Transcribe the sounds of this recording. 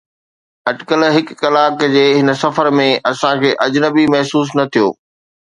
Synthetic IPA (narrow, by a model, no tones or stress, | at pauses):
ɐɖkəlɦɪkːɐlaːkd͡ʑeːɦɪnə̆sɐfəɾmẽʔɐsãkʰeːʔɐd͡ʑnəbimɐɦsuːs̬nɐt̪ʰijo̰ː